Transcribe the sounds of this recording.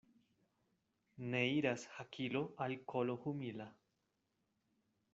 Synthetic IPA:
ne̞iɾashakʰiloʔalkʰolohumila

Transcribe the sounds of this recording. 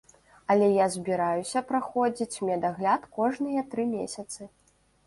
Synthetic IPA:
ɐlʲɛjazʲbʲiɾajusʲɐpɾaxɔd͡zʲit͡sʲmʲɛd̪aɣlʲat̪kɔʐnɨjɐt̪ɾɨmʲesʲɐt̪sɨ

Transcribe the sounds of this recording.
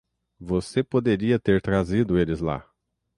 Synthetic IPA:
vosepod̪eɾiɐt̪eɾt̪ɾazid̪ʊelɪzla̰

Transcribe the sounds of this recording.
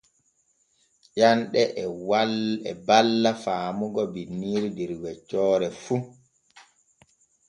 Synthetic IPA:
janɗɛʔwalɛbalːafaːmuɡɔbinːiːɾidiɾwɛt͡ʃːɔːɾɛfu

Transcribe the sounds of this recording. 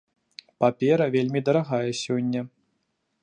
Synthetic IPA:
papʲɛɾɐvʲelʲmʲid̪ɐɾaɣajɛsʲɔnʲːɐ

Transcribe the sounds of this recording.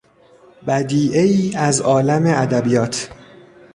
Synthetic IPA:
bæd̪iːʔeiːæzɒːlæme̞æd̪æbijɒːt̪ʰ

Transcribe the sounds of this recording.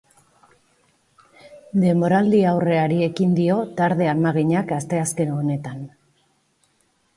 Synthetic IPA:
d̪e̞mbo̞ɾald̪iawre̞aɾie̞kind̪io̞t̪aɾðe̞amaɣiɲakast̪e̞aske̞none̞t̪an

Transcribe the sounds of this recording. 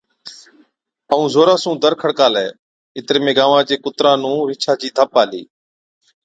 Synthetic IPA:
əũːzoːɾaːsũːd̪əɾkʰəɽkaːlɛː | ɪt̪ɾeːmẽːɡaːʋãːd͡ʒeːkʊt̪ɾãːnũːʋɪt͡ʃʰaːd͡ʒiːd̪ʱəpaːlḭː

